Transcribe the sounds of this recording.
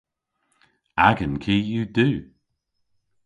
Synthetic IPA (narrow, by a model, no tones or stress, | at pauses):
aɡənkʰiːjuːd̪ʉː